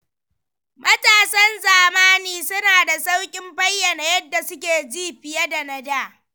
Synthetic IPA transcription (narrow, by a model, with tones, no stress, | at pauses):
mʔɐ˦taː˨sɐ˦nzaː˨maː˦niː˨sʊ˦naː˨da˨sa˦wkʲʼɪ˦mbɐ˦jːɐ˨na˨jɐ˦dːa˨sʊ˦kʲeː˨d͡ʒiː˦ɸɪ˨ja˦da˨nɐ˦˨daː˦˨